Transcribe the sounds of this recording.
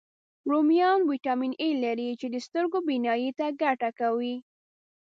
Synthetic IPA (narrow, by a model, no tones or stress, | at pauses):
ɾomijɑnwiʈɑminelaɾit͡ʃed̪əst̪əɾɡobinɑjit̪aɡaʈakawi